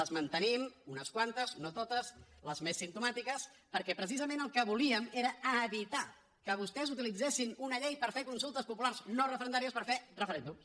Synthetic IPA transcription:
əzmənt̪ənimunəskwant̪əzunət̪ot̪əsləzmesːimt̪umat̪ikəs | pəɾkɛpɾəs̬izəmẽnəlˠkəβuliəmeɾəəβit̪a | kəβ̞ust̪ɛzut̪ilid͡zesinunəʎejpəɾfekunsulˠt̪əspupulaɾznorəfəɾənd̪aɾiəspəɾferəfəɾend̪ums

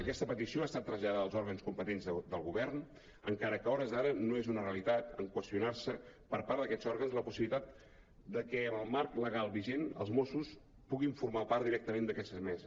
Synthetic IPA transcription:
əkɛst̪əpət̪isioast̪at̪ːɾəzʎaðaðəlˠzɔɾɣənskumpət̪enzðəd̪əlˠɣuβɛrn | əŋkaɾəkəɔɾəzðaɾənoezunəreəlit̪at̪əŋkwəst̪iunarsəpəɾpaɾd̪əkɛz̥ɔɾɣənzləpusiβilit̪at̪̚ | d̪əkɛəməlˠmarkləɣalˠβiʒenə̰lˠzmosus | puɣiɱfuɾmapaɾt̪d̪iɾɛk̚t̪əmend̪əkɛst̪əzmɛzəs

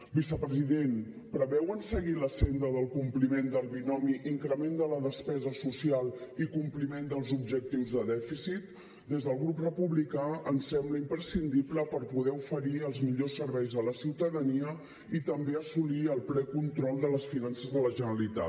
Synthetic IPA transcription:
bisəpɾəziðen | pɾəβɛwənsəɣiləsend̪əðəlˠkumplimend̪əlˠβinɔmiʔiŋkɾəmend̪ələðəspɛzəsusialˠikumplimend̪əlˠzubʒək̚t̪iwzðəðɛfisit̪ | d̪ezðəlˠɣɾuprəpuβlikaənsɛmbləimpɾəsind̪ipləpəɾpuðɛufəɾiəlˠzmiʎosːəɾβɛjzðələsiwt̪əðəniə | it̪əmbeəsuliəlˠplɛkunt̪ɾɔlˠd̪ələsfinansəzðələʒənəəlit̪a̰

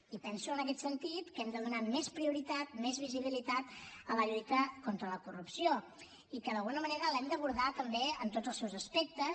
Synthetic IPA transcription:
ipɛnsuənəkɛt̪sənt̪it̪kɛmd̪əðunamespɾiuɾit̪at̪̚mɛzβiziβ̞ilit̪at̪ələʎuɾit̪əkont̪ɾələkurupsio | ikəðəlˠɣunəməneɾəlɛmd̪əβuɾðat̪əmbeənt̪odzəlˠsɛwzəspek̚t̪ə

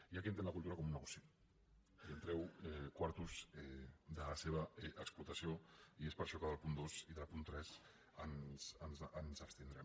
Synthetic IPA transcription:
iakiənt̪enlək̬ulˠt̪uɾakɔmunəɣusi | iənt̪ɾɛwɛkwaɾt̪uzɛd̪əlaseβ̞əɛʔəksplut̪ɐsioiespəɾʃɔkaðəlˠpund̪osiðəlˠpunt̪ɾɛz | ənz̥ənzənzəkst̪ind̪ɾɛm

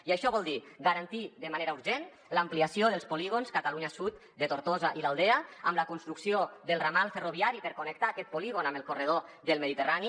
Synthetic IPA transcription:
iaʃɔβɔlˠd̪iɡaɾant̪iðəmaneɾauɾʒen | ləampliasioðəlˠspoliɣonskat̪aluɲasut̪̚ | d̪et̪oɾt̪ozaʔilalˠd̪ɛəə̰mləkunst̪ɾuksioðəlˠramalˠferoβiaɾipəɾkonek̚t̪aːkɛt̪̚poliɣonaməlˠkoreð̞oðəlˠmeðit̪ərani

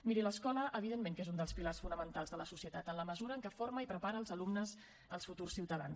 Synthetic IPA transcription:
miɾiləskɔləʔəβ̞iðenmeŋkezund̪əlˠspilarsfunəmənt̪alˠzðələsusiət̪at̪ənləməzuɾəːŋkəfoɾməipɾəpaɾəlˠzəlumnəz | əlˠsfut̪ursiwt̪əða̰ns

